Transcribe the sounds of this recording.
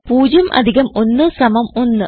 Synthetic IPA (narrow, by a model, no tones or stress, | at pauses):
puːd͡ʑɐmʔɐ̰d̪ʱiɣɐmo̞nːɨsɐmɐmo̞nːɨ